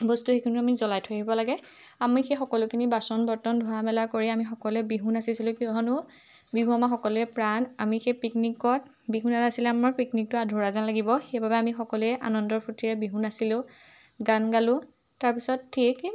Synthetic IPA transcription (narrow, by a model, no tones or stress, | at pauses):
bɔstuxekʰɔnʊamizɔlajtʰoaɦibɔlaɡɛ | amixexɔkɔlʊkʰinibasɔnbɔɹtɔndʱɔɦamɛlakoɹiamixɔkɔlɛbiɦunasisilʊ̃kiɔɦɔnʊ | biɦũamaxɔkɔlʊɛpɹanamixepiknikɔt̚ | biɦunanasilɛamaɹpiknik̚tʊadʱʊɹazanlaɡibɔxejbabɛamixɔkɔlʊɛʔa̰nɔndɔɹpʰutiɹɛbiɦunasilʊ̃ | ɡanɡalʊ̃ | taɹpisɔtʰːik